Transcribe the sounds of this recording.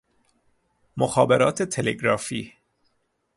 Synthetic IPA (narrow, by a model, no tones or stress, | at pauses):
moxɒːbeɾɒːt̪ʰet̪ʰeleɡɾɒːfiː